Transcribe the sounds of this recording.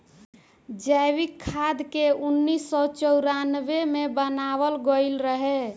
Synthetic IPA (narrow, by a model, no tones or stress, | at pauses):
d͡ʒajbikʰːad̪keunːisːɔt͡ʃəʊɾanbemebənaβəlɡəɪlɾəɦe